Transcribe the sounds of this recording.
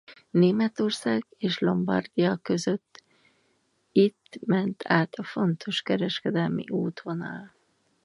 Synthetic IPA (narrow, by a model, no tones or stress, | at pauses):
neːmɛt̪o̞rsaːɡeːʃlo̞mbɒ̰rd̪ijɒkø̞zø̞t̪ː | it̪ːmɛnt̪ʰaːt̪ʰɒfo̞nt̪ʰo̞ʃkɛɾɛʃkɛd̪ɛlmḭʔuːt̪onɒ̰ːl